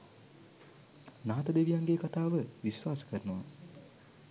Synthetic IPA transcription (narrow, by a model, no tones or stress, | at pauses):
naːt̪əd̪eʋijaŋɡeːkat̪aːʋəʋisʋaːsə̥kəɾənoʋa̰